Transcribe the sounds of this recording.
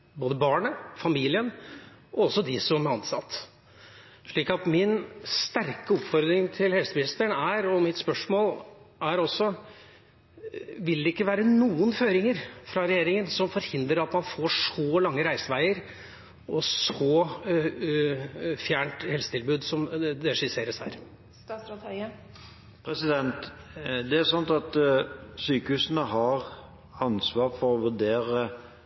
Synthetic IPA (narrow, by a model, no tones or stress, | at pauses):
boːd̪əbɑːɳəfɑmiːlɪən | ɔɔsːɔd̪ɪsɔmɑnsɑt̪ː | ʂɭiːkɑt̪mɪnst̪æɾkəɔpfɔɾd̪ɾɪŋt̪ʰɪlhɛlsəmɪnɪst̪əɳæɾɔmɪt̪spœʂmoːlʔæɾɔsːɔ | ʋɪld̪ɛɪkːəʋæːɾənuːənføːɾɪŋəɾfɾɑɾɛjeːɾɪŋənsɔmfɔɾhɪnd̪ɾəɾɑt̪mɑnfoːʂɔlɑŋːəɾæɪsəʋæɪəɾ | ʔɔsɔː | fjæːɳʈ̪hɛlsət̪ʰɪlbʉːd̪sɔmd̪ɛʂɪseːɾəshæ̰ːɾ | t̪ | pʰɾɛsɪd̪ɛnt̪d̪ɛæsɑnt̪ɑt̪syːkəhʉːsənəɦɑɾ | ɑnsʋɑːɾfɔɾɔʋʉɖeːɾə